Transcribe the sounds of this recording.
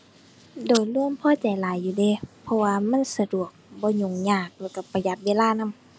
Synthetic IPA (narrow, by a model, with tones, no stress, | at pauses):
doː˨˩jlu˧˥˨əmpʰɔː˧˥˨t͡ɕa˨jlaː˨˦jːuː˧˩deː˧˩˨pʰɔ˧waː˧ma˧˥˨nsa˧du˨˩ək̚bɔː˧˦ɲo˨˧˩ŋɲaː˧˩k̚lɔː˧˩ka˧˩pːa˧˩ja˧˩t̪̚weː˧˨laː˧˥˨na˧˥˨m